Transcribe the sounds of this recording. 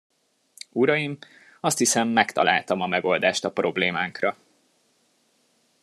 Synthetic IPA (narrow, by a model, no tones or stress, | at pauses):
uɾɒjim | ɒst̪hisɛmːɛkt̪ɒ̰lʔa̰ːlt̪ɒmɒmɛɡo̞ld̪aːʃt̪ɒpro̞bleːmaːŋkrɒ